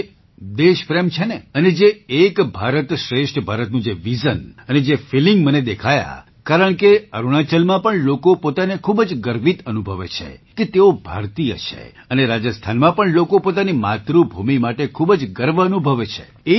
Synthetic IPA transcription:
d̪eʃpɾemt͡ʃʰeneəned͡ʒeːkbʱaɾət̪ʃɾeʃʈʰbʱaɾət̪nũd͡ʒeʋizənəned͡ʒefiliŋɡməned̪ekʰaja̰ | kaɾəɳkeəɾuɽ̃at͡ʃəlmãpəɳlokopot̪anekʰubəd͡ʒɡəɾʋit̪ənubʱəʋḛt͡ʃʰḛket̪eobʱa̰ɾt̪ijə̰t͡ʃʰḛ | əneɾad͡ʒəst̪ʰanmãpəɳlokopot̪animat̪ɾubʱumimaʈekʰubəd͡ʒɡəɾʋəənubʱəʋet͡ʃʰḛ | e

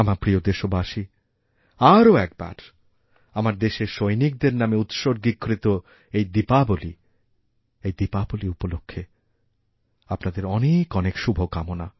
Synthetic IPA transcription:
amaɾpɾiod̪eʃobaʃi | aɾoɛk̚ba̰ɾ | amaɾd̪eʃeʃojnik̚d̪eɾnameut̪ʃoɾɡikʰːɾit̪o | ejd̪ipaboli | ejd̪ipaboliupolokʰːe | apnad̪eɾɔnekɔnekʃubʱokamona

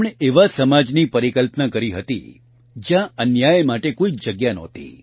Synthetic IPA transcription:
ɳeeʋasəmad͡ʒnipəɾikəlpnakəɾiɦət̪ḭ | d͡ʒjãənjajmaʈekoid͡ʒəɡjanɔ̰t̪ḭ

